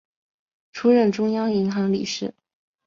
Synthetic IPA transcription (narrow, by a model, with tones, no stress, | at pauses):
ʈ͡ʂʰu˥ɻə˥˩nʈ͡ʂʊ˥ŋjɑ˥ŋi˧˥ŋxɑ˧˥ŋlḭ˨˩ʂɻ̩˥˩